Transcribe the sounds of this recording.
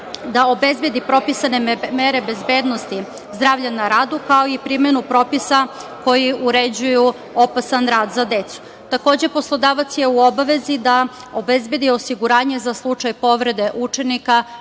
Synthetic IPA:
d̪aobezbe̞d̪ipɾo̞pisanemeɾe̞be̞zbe̞ːd̪no̞st̪i | zd̪ɾaːvʎanaɾaːd̪ukaoipɾimenupɾo̞pisako̞jiuɾe̞d͡ʑuju | o̞pasanɾaːd̪zad̪e̞t̪su̥ | t̪ako̞ːd͡ʑe̞po̞slˠo̞d̪aːʋat̪sje̞uo̞baʋe̞zid̪a | obezbe̞d̪io̞siɡuɾaːɲe̞zaslˠut͡ʂajpo̞ʋɾe̞d̪e̞ʔut͡ʃe̞nika

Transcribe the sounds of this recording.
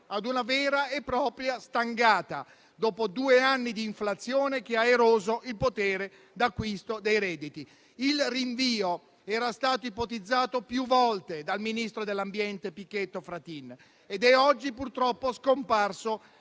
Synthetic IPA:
ad̪unavɛːɾaepːɾɔːpɾjast̪aŋɡaːt̪a̰ | d̪oːpod̪uːeanːid̪iːɱflat̪sːjoːnek̟eaeɾoːzoilpot̪ɛːɾe | d̪akːwist̪od̪ejɾɛːd̪it̪i | ilriɱviːo | ɛːɾast̪aːt̪oipot̪id̪zːaːt̪opjuvɔlt̪ed̪alminist̪ɾod̪elːambjɛnt̪epikːet̪ːofɾat̪in | ed̪ɛɔd͡ʒːipurt̪ɾɔpːoskomparso

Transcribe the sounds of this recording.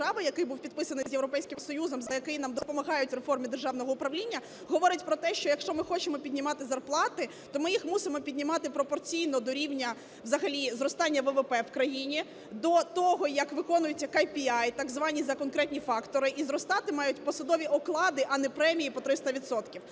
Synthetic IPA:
ɑʋɐjɐkɪjbuwpʲid̪̚pɪsɐnɪzjewɾɔpɛjsʲkɪmsɔjuzɔmzɐjɐkɪjnamd̪ɔpɔmɐɣɑjʊtʲrefɔrmʲid̪erʒɑwnɔɦɔʊpɾɐʋlʲinʲːɐ | ɦɔʋɔɾɪtʲpɾɔt̪ɛʃt͡ʃɔjɐkʃt͡ʃɔmɪxɔt͡ʃɪmɔpʲid̪ʲnʲɪmɑt̪ɪzɐrplˠɑt̪ɪ | t̪ɔmɪjixmusɪmɔpʲid̪ʲnʲɪmɑt̪ɪpɾɔpɔrt͡sʲijn̪ɔd̪ɔɾʲiwnʲɐ | wzɐɦɐlʲizɾɔst̪ɑnʲːɐʋɛʋɛpɛwkɾɐjinʲi | d̪ɔt̪ɔɦɔjɐkʋɪkɔnʊjʊt͡sʲːɐkɐjpʲiajt̪ɑɡzʋɑnʲizɐkɔnkɾɛt̪ʲnʲifɑkt̪ɔɾɪʔizɾɔst̪ɑt̪ɪmɑjʊtʲpɔsɐd̪ɔʋʲiʔɔklˠɑd̪ɪʔɐnɛpɾɛmʲijipɔt̪ɾɪst̪ɐʋʲid̪sɔt̪kʲiw

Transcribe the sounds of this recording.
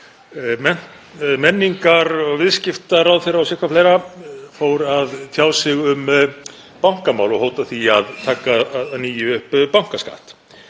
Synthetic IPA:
mɛn̥ | mɛnːiŋkaɾɔɣvɪðscɪft̪aɾawðθejɾaawsɛhkvafleːjɾafoːwɾaðt̪ʰjaːwsɪɣʏm | pawŋ̥kamaːwlɔɣhoːwt̪aθiaðt̪ʰaːkaðniːjʏʏhppawŋ̥kaska̰ːht̪

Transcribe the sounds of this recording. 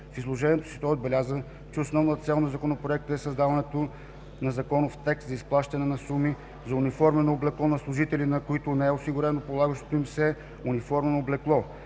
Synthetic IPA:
fizlˠoʒɛnʲiɛt̪o̥si̥t̪ɔod̪bɛlʲazə | t͡ʃɛosnɔvnət̪ət̪sɛlˠnozɐkonopɾoɛk̚t̪əɛsɐzd̪avɐnɛt̪o | nɐzɐkɔnʊft̪ɛkst̪zɐisplˠaʃt̪ɐnɛnɐsumi | zɐunifɔɾmɛnoːblɛklˠɔnɐslˠʊʒit̪ɛlʲinɐkʊit̪ʊnɛɛʊsiɡʊɾɛnopolˠaɡəʃt̪o̥t̪oimfsɛ | unifɔɾmɛnoːblɛklˠɔ

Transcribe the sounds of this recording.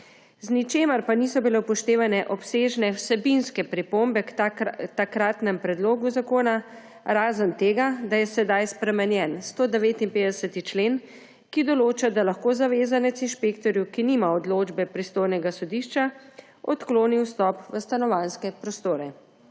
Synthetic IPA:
znit͡ʃeːmɐɾpanisɔbilɛwpɔʃt̪eːʋanɛʔɔpseːʒnɛwsɛbinskɛpɾipombɛkt̪akɾaːt̪nɛmpɾɛd̪loːɡuzakoːna | ɾaːzənt̪eːɡad̪ajɛsɛd̪ajspɾɛmɛnjɛnst̪oːd̪ɛʋeːt̪inpeːd̪ɛsət̪it͡ʃleːn | kid̪ɔloːt͡ʃad̪alaxkoːzaʋeːzanɛt̪sinʃpeːkt̪ɔɾjukinimaɔd̪loːd͡ʒbɛpɾist̪oːjnɛɡasɔd̪iːʃt͡ʃa | ɔt̪kloːniwst̪ɔpʋəst̪anɔʋanskɛpɾɔst̪oːɾɛ

